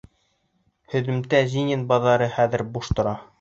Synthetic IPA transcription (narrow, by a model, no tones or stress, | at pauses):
hɵ̆ðɘ̆mt̪æzinʲɘnbɑðɑɾɤχæðɘ̆ɾbuʃt̪ŏɾɑ